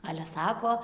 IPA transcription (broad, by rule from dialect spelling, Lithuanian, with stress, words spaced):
ˈɑːlʲɛ ˈsɑːkoː